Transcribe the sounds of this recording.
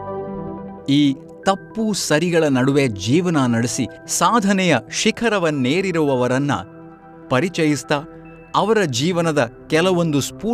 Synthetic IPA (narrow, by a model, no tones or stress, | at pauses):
iː | t̪ɐpːuːsɐɾiɡɐɭɐnɐɽuʋed͡ʒiːʋɐnɐnɐɽesi | saːd̪ʱɐnɛjɐʃikʰɐɾɐʋɐnːeːɾiɾuʋɐʋɐɾɐnːɐ̰ | pɐɾit͡ʃɐjist̪ɐ | ɐʋɐɾɐd͡ʒiːʋɐnɐd̪ɐkɛlɐʋo̞nd̪uspuː